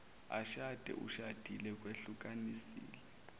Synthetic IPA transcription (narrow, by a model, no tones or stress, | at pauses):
a̰ʃad̥ʱɛ̰ʔṵʃad̥ʱilɛk̬weɬuk̬ʼanisḭːlɛ